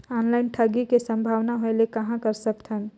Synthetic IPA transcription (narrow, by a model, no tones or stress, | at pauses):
ɔːnlaɪnʈʰəɡikesə̃mbʱaːʋnaɦoelekɐɦãkəɾsəkt̪ʰɦən